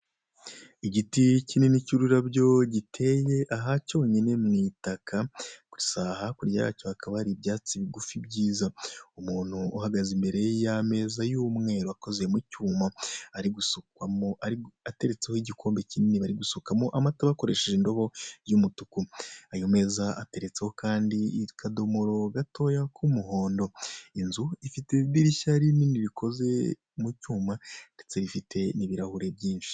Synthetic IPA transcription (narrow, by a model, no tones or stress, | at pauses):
iɟiticininicuɾuɾabɟo̞ɟitʰe̞je̞ʔaɦaco̞ːɲine̞mŋitakʰakuisahakuɾjaja̰co̞hakʰaβaɾibjaːt͡siβiɡufibɟiːzaumuːn̥huːhaɡazimbe̞ɾe̞jame̞ːzajuːmŋe̞ːɾoako̞zejemucumaaɾiɡusu | a | ate̞ɾe̞t͡sehoiɟikʰo̞ːmbe̞cininiβaɾiɡusukamoʔamataβako̞ɾe̞ʃeʒindo̞βo̞jumutukuajome̞ːzaa̰te̞ɾe̞t͡se̞ho̞kaːndikʰadomuɾo̞ɡatʰo̞jakʰumuɦo̞ːndo̞inzuifite̞βdiɾiʃaɾininiɾikʰo̞ze̞̰ | mucuːmannd̥e̞t͡se̞ɾifite̞niβiɾahuɾe̞bjiːnʃi̥